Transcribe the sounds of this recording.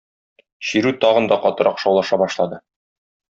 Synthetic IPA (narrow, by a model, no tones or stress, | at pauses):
ɕiɾʉt̪ɒʁɤ̆nd̪ɑqɒt̪ɤ̆ɾʔɑqʃɒwlˠɑʃɑbɒʃlˠɑd̪ɤ